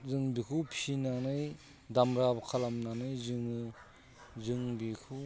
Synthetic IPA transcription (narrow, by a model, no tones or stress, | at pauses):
zɯŋbikʰɯpʰisinanɯj | damɾabkʰalamnanɯjzɯŋɯ | zɯŋbikʰu